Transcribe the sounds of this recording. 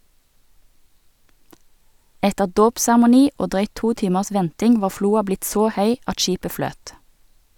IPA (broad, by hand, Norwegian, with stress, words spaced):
ˈɛtəʁ ˈdoːpsæʁmʊˌniː ˈoː ˈdʁœʏt ˈtuː ˈtiːməʁs ˈʋɛntɪŋ ˈʋɑː ˈfluːɑ ˈblɪt ˈsoː ˈhœʏ ˈɑt ˈʃiːpə ˈfløːt